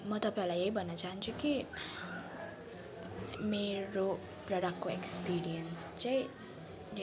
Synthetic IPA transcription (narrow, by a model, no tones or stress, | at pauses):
mʌt̪ʌpaĩlajejbʱʌnːʌt͡saɦnt͡sʰuki | meɾo | prʌɾakːoekspiɾijʌnst͡sãj̃